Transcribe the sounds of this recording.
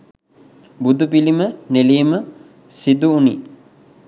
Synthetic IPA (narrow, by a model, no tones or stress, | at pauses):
bud̪upilimənelejmə | sid̪uːnḭː